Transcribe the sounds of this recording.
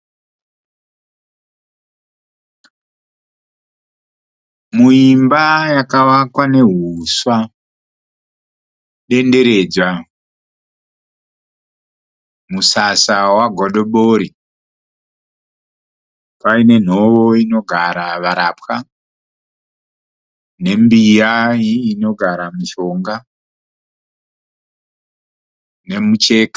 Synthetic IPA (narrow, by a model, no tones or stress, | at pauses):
muimbajakaʋakwane̞ɦuswa | ɗe̞nde̞ɾe̞d͡zwa | musasawaɡʱoɗoɓoɾi | paine̞n̤o̞ʋoino̞ɡʱaɾaʋaɾapxa | ne̞mbijaiːno̞ɡʱaɾamiʃo̞ŋɡa | ne̞mut͡ʃeːkḁ